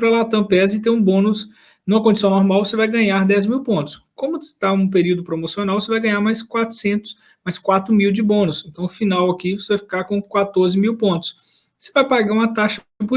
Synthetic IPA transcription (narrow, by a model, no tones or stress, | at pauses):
pɾɐlat̪ɐ̃pɛzɪt̪eɾũbõnʊs | nũmɐkõd͡ʒisɐ̃w̃nɔɾmawvosevajɡɐ̃ɲaɾd̪ɛzmiwpõnt̪ʊ̥skõmʊst̪aũp̬eɾiwd̪ʊpɾomosionawvosevajɡɐ̃ɲ̃aɾmajskwat̪ɾʊ̥sẽnt̪ʊ̥s | majskwat̪ɾʊmiwd͡ʒɪbõnʊsẽnt̪ɐ̃w̃ʊfinawɐkivosevajfi̥kaɾkõkwat̪oɾzɪmiwpõt̪ʊ̥s | sevajpaɡaɾũmɐt̪aʃɐ | pu